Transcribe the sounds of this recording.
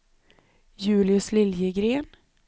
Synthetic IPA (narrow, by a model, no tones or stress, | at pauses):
jʉ̟ːlɪɵslɪljəɡɾeːn